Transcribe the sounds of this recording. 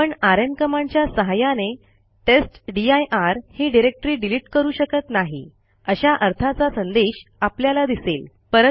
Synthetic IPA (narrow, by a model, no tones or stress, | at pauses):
pəɳaɾənkəmãɲt͡ɕjasəɦajane | ʈesʈɖiajʔaɾhiːɖiɾek̚ʈɾiːɖiliʈkəɾuːɕəkət̪naɦḭ | əɕaʔəɾt̪ʰat͡sasənd̪eɕapljalad̪isel | pəɾə